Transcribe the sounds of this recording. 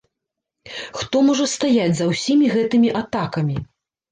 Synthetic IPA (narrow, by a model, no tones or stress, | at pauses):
xt̪ɔmɔʐɐst̪ajad͡zʲzɐwsʲimʲiɣɛt̪ɨmʲiʔat̪akɐmʲi